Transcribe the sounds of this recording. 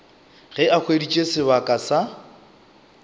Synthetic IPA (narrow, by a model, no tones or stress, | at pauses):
ɣɛak͡xʰwedit͡ʃʼesɪβakʼasa